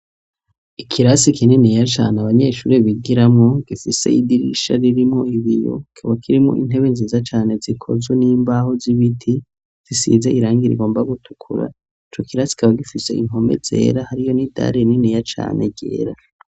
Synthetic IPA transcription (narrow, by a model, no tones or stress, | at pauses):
ikʰiɾasikininijat͡ʃa̰ːneaβaɲe̞ːʃuɾeβiɡiɾamŋo̞ɡifise̞̰idiɾḭʃa̰ɾiɾimŋo̞iβijo̞̰kʰoβakʰiɾimŋo̰ʔin̥e̞βenziːzat͡ʃaːne̞zikʰo̞̰zweniːmbaho̞ziβitʰi | z̥isḭzeʔiɾaːŋɡiɾḭɡo̞ːmbaɡutʰu̥kʰuɾa̰ | it͡ʃo̞kiɾasi̥kʰaβaɡifise̞iŋ̥o̞mḛz̥e̞̰ːɾahaɾijo̞nida̰ɾeninijat͡ʃa̰ːne̞̰ɡɟḛːɾa